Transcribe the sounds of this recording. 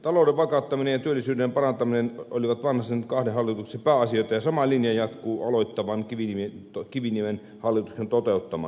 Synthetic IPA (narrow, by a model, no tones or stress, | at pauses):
t̪ɑloˑːdeʋʋɑkɑt̪ːɑminejɑt̪yølːisyːdempɑrɑnt̪ɑminenoliʋɑt̪ʋɑnhɑsenkɑhdehɑlːit̪uksempæːɑsioˑet̪ɑjɑsɑmɑlinjɑjɑt̪kuːɑ̰loit̪ːɑʋɑnkiʋiniment̪okiʋinimen | hɑlːit̪uksent̪ot̪eut̪ːɑmɑ̰